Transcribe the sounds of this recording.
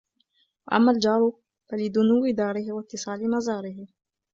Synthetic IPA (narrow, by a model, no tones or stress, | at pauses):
waʔa̰mːald͡ʒɑːɾˤ | falɪd̪ʊnuːwɪd̪ɑːɾɪhɪwat̪ːɪsˤɑːlɪmazɑːɾɪɦɪ